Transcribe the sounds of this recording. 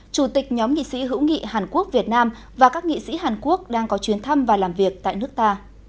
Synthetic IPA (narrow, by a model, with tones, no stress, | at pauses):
t͡ɕu˧˩t̪ï˨˩k̟̚ɲɔ˨˦mŋḭ˧˨sḭ˧˥ɦɨ̰˧˥wŋḭ˧˨ɦaː˨˩nku˦˥ək̚vi˨˩ət̚naː˧m | vaː˨˩kaː˦˥k̚ŋḭ˧˨sḭ˧˥ɦaː˨˩nku˦˥ək̚ɗaː˧ŋkɔ˨˦t͡ɕwi˨˦ənt̪ʰə˧mvaː˨˩laː˨˩mvi˨˩ək̚t̪a̰ː˧˨jnɨ˦˥ək̚t̪aː˧